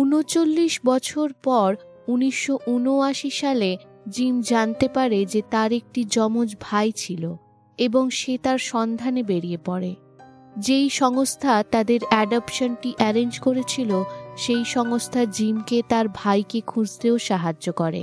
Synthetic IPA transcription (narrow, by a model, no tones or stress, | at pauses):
unot͡ɕolːiʃbɔt͡ɕʰoɾpɔɾ | uniʃːoʔunoaʃiʃale | d͡ʑimd͡ʑant̪epaɾed͡ʑet̪aɾek̚ʈid͡ʑɔmod͡ʑbʱajt͡ɕʰilo | eboŋʃet̪aɾʃɔnd̪ʱanebeɾiepɔɾe | d͡ʑejʃɔŋost̪ʰat̪ad̪eɾɛɖapʃonʈiʔɛɾend͡ʑkoɾet͡ɕʰiloʃejʃɔŋost̪ʰad͡ʑimket̪aɾbʱajkekʰud͡ʑt̪eoʃaɦad͡ʑːokɔɾḛ